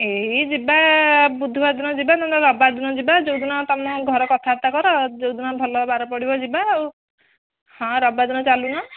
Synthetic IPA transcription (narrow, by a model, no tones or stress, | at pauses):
eɦid͡ʒibabud̪ʱibad̪unɔd͡ʒibanɔɔɾɔbad̪inɔd͡ʒibad͡ʒowd̪unɔt̪ɔmɔɡʱɔɾɔkɔt̪ʰaɾt̪akɔɾɔd͡ʒowd̪unɔbʱɔlɔbaɾɔpɔɽibɔd͡ʒibaw | hɔ̃ɾɔbad̪inɔt͡ʃaluna